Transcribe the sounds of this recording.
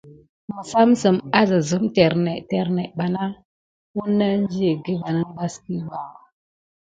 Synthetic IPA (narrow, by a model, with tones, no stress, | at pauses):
mə˨sa˦msə˨ma˦zə˨zu˦mte˨ɾne˨tɛ˨ɾne˨ɓa˨na˦ | wu˦nːa˦n˦d͡ʒi˦e˨ɡi˦va˨nə˦n˦ba˦ski˦wa˨ɣ